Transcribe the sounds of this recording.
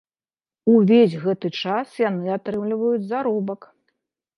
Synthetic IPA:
uvʲes̬ʲɣɛt̪ɨt͡ʂasjanɨat̪ɾɨmlʲivɐjud͡zʲzaɾɔbɐk

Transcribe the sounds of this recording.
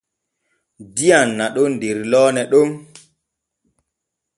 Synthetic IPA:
dijanːaɗɔndeɾlɔːnɛɗɔm

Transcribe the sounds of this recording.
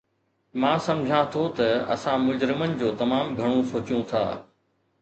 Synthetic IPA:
mãːsɐmd͡ʑʱãt̪ʰot̪ɐɐ̰sãmʊd͡ʑɾɪmənɪ̆d͡ʑoːt̪ɐmaːmɡʱɐɽ̃õsoːt͡ɕjũt̪ʰa̰ː

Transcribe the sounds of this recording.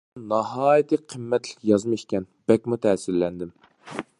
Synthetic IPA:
nɑɦɑːjit̪ʰɨqʰəmːɛt̪lɪ̥kʲjɑzmiʃkʲɛnb̥ɛkʲmut̪ʰɛːsɪlːɛnd̪ɪm

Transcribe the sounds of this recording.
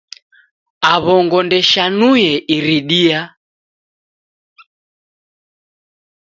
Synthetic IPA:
aβɔŋɡɔndɛʃanujɛʔiɾiɗia

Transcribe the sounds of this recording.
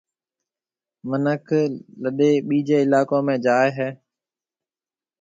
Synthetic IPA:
mənəkʰləɗeːɓiːd͡ʒeːɪlaːkõːmẽːd͡ʒaːeɦɛː

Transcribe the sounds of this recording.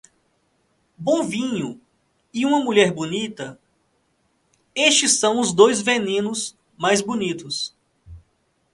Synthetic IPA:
bõvĩɲʊ | ɪũmɐmuʎɛɾbonit̪ɐ | eʃt͡ʃɪsːɐ̃w̃ʊzd̪ojzvenĩnʊs | majzbonit̪ʊs

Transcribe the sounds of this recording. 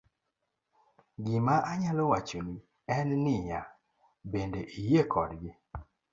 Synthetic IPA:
ɡɪmaʔaɲalɔwat͡ʃoni | ɛnnɪɲa | bendeʔijekʰɔdɡɪ

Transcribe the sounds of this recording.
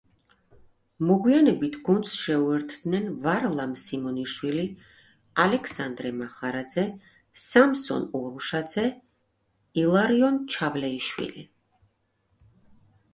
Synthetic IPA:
mɔɡwianɛbit̪ʰɡunt̪sʃɛuɛɾt̪ʰd̪nɛnvaɾlˠamsimɔniʃwili | alɛksand̪ɾɛmaχaɾad̪zɛ | samsɔ̰nɔɾuʃad̪zɛ | ilˠaɾiɔnt͡ʃʰavlɛiʃwḭli

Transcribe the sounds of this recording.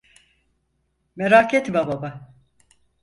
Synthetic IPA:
meɾaket̪bababa

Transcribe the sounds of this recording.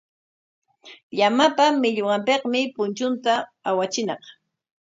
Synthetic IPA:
ʎamapamɪʎowɑmpeqmɪpʊnt͡ʃʊnt̪aawat͡ʃɪnɑ̰q

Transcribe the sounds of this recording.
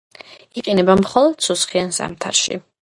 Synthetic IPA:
iqʼinɛbamχɔlˠɔd̪̥susχiansa̰mt̪ʰa̰ɾʃḭ

